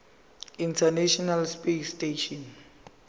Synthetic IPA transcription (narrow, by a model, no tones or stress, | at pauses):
intʰanɛʃɔnalspesteʃɔn